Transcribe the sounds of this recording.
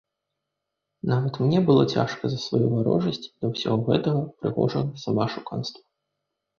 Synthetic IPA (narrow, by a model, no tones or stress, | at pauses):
navɐt̪mnʲɛbɨlˠɔt͡sʲa̰ʂkɐzɐsvajuvaɾɔ̰ʐɐsʲt͡sʲd̪ɐwsʲaɣɔɣɛt̪ɐɣɐpɾɨɣɔ̰ʐɐɣɐsamaʂuka̰nst̪vɐ